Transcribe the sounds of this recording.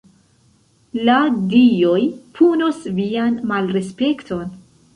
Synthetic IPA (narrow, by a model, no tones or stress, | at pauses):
ladiojpʰunosvianmalɾe̞spe̞ktʰo̞n